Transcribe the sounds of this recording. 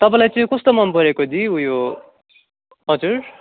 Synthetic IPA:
t̪ʌpãlajt͡sʌĩkʌst̪omʌnpʌɾekod̪iujo | ɦʌd͡zur

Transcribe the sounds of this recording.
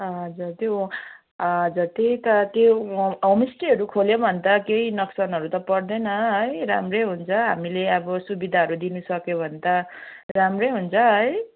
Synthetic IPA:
ʌd͡zʌt̪jo | d͡zʌt̪it̪ʌt̪joomisʈiʌɾukʰoljobʱʌnt̪ʌkeinʌksʌnʌɾut̪ʌpʌrd̪ʌnʌɦʌjɾa̰mrejɦunt͡sʰʌɦa̰mileʌbʌsubid̪ʱaʌɾud̪inusʌkjobʱʌnd̪ʌramrʌjɦunt͡sʰʌɦʌj

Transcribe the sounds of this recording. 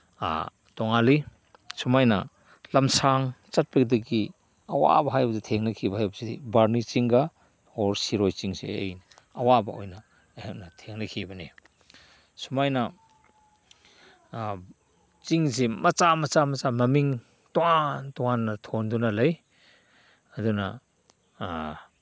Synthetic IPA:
a̰ | tɔŋali | sumajnɐ̰ | lɐmsaŋt͡ʃat̚pek̚dɐɡi | ɐwa̰bɐɦajbɐzitʰeŋnɐkʰibahajbɐsḛbaɾnit͡ʃiŋɡa | ɔɾsiɾojt͡ʃiŋsḛḛjn | ɐwabɐojnɐ | henɐtʰeŋnakʰibɐne | sumajnɐ | t͡ʃiŋsemɐt͡ʃamɐt͡ʃamɐt͡ʃamɐmiŋ | tɔantɔŋanːɐtʰondunalɐj | ɐdunɐ

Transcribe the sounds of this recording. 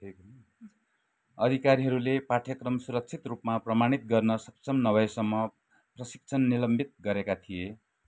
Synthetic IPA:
ʈʰk | ʌd̪ʱikaɾiɦʌɾulepaʈʰjʌkrʌmsuɾʌk̚t͡sʰit̪rupmaprʌmaɽ̃it̪̚ɡʌrnʌsʌpsʰʌmnʌβʌjsʌmːʌ | prʌsi̥k̚t͡sʰʌnːilʌmbʱit̪̚ɡʌɾekat̪ʰije

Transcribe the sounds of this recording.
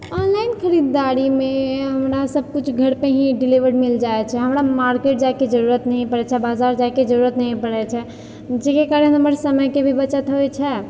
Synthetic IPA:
ɔnlainkʰəɾid̪ːaɾimeɦəmɾasəb̚ʱkut͡ʃʰɡʱəɾpeɦĩɖiliʋəɽmild͡ʒaet͡ʃʰɛɦəmɾamaɾkeʈ̚d͡ʒajked͡ʒəɾuɾət̪nəɦĩpəɽɛt͡ʃʰɛbad͡ʒaɾd͡ʒaked͡ʒəɾuɾət̪nəɦĩpəɽɛt͡ʃʰɛ | d͡ʒekekaɾənəməɾsəməjkebʱibət͡ʃət̪ɦojt͡ʃʰɛ

